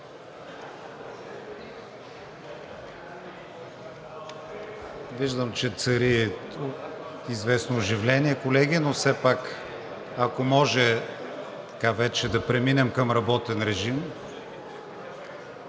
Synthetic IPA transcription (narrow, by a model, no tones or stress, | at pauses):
viʒd̪əmt͡ʃɛt̪sɐɾi | izvɛsnoːʒivlɛniɛkolɛɡʲinofsɛpak | ɐkomɔʒɛ | t̪ɐ̥kavɛt͡ʃɛd̪ɐpɾɛminɛmkəmɾɐbɔt̪ɛnɾɛʒim